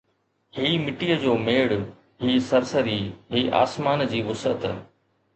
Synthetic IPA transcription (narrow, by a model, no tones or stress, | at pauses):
hiːmɪʈijəd͡ʑoːmeːɽ | ɦiːsɐɾsəɾiːɦiːʔa̰ːsmaːnd͡ʑiːʋʊsət̪